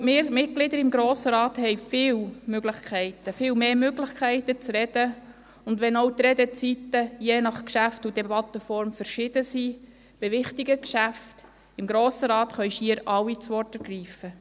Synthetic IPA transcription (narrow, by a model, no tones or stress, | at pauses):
mɪɾmɪt̚ɡ̥lɪd̪əɾɪmɡɾoːsəɾɑːthɛɪfɪːwmøɡlɪχkʰɛɪtəfɪːwmeːmøɡlɪχkʰæɪtət͡sɾɛd̥ə | ʊndʋɛnowt̪ɾɛd̪ət͡sitəjeːnɑχkʃæftudɛbɑt̪ːəfɔɾmfəɾʃɪd̥əsi | b̥ɪʋɪχtiɡəkʃæft | ɪmɡɾoːsəɾɑːt̪χœʏʃiəɾʔɑwit͡sʋɔrtəɾɡ̥ɾiːfə